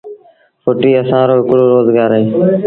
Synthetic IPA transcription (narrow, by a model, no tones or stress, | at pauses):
foʈiːəsãːɾoːɦɪkɽoːɾoːzɡaːɾɦeː